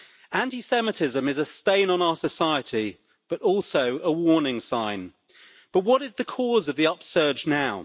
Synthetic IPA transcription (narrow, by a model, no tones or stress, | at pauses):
æ̃ntisɛmətʰɪzə̃mɪzəstẽɪ̃nə̃naʊəsəsaɪətʰi | b̥ʌtɔˑlˠsəʊəwɔːnɪ̃ŋsãɪ̃n | b̥ʌʔwɒɾɪzðəkʰɔːzəvðiʌpsɜːd͡ʒnaʊ